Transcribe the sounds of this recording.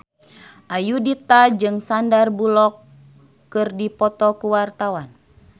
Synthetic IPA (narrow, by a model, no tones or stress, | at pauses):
ʔajudit̪ad͡ʒɨŋsandarbulɔkː | ɨrdipɔt̪ɔkuwart̪awan